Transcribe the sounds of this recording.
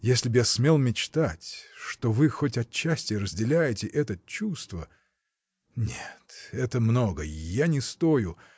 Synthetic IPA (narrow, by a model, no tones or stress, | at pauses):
jesʲlʲɪbjasmʲe̞lˠmʲɪt͡ɕt̪atʲʂt̪ovɨxotʲɐt͡ɕːæsʲtʲɪɾəzʲdʲɪlʲæjɪtʲɪʔɛt̪ət͡ɕːust̪və | nʲet̪ɛt̪əmno̞ɡəjanʲɪst̪ojʊ